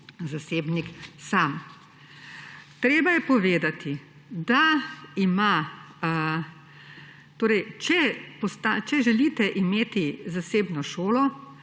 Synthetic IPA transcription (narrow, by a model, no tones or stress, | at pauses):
zaseːbniksam | t̪ɾeːbajɛpɔʋeːd̪at̪i | d̪aima | t̪oːɾɛjt͡ʃɛpɔst̪at͡ʃɛʒɛliːt̪ɛʔimeːt̪izaseːbnɔʃoːlɔ